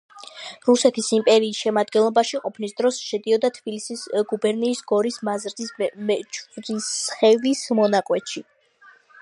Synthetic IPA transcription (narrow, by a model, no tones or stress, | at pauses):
ɾusɛt̪ʰisimpʼɛɾiːsʃɛmad̪̚ɡɛnlˠɔbaʃiqʼɔpʰnisd̪ɾɔsʃɛd̪iɔd̪at̪ʰb̥ilisisɡubɛɾniːsɡɔɾismazɾd̪ismɛt͡ʃʰʼd̪isχɛvismɔnaqʼwɛt̪ʃi